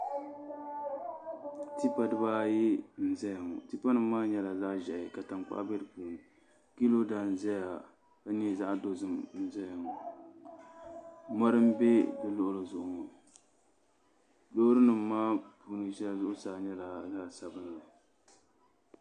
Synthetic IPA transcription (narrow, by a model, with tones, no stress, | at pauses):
ti˦pa˨dɨ˦baː˦ji˦n̩˨zɛ˦jŋɔ˨ti˦pa˦nɨ˨m̩ː˦aː˦ɲɛ˦la˨za˦ʔʒɛ˨ɪ˨ka˨ta˨ŋk͡pa̰˦ʔbɛ˦lɨ˨puː˨nɨ˨ | ki˦lo˦da˨n˨zɛ˦ja˨ | ka˦ɲɛ˦za˦ʔdo˨zɨ˦mn̩˦zɛ˦jŋɔ˨ | ma˦ɾɨ˦m˦be˦dɨ˨lʊ˦ʔʊ˨lɨ˨zʊ˨ʔʊ˨ŋɔ˨ | do˦ɾɨ˦nɨ˨mː˦aː˦pu˨˦nɨ˨ʃɛ˦la˦zʊ˦ʔʊ˦saː˨ɲɛ˦la˨za˦˨sa˨bɨ˦n˦la˨